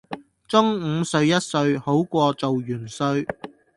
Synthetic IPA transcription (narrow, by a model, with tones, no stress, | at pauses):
t͡sʊ˥ŋ̩ː˨˧sɵ˧ɥjɐ˥t̚sɵ˧ɥho˨˥wkʷɔː˧t͡so˨wjyː˨˩nsɵ˧ɥ